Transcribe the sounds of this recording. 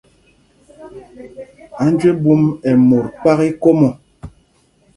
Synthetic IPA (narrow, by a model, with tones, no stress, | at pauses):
a˨˦n˦d͡ʒwe˦bu˦mɛ˨mo˨ɾk͡pa˦ɣi˦ko˦mɔ˨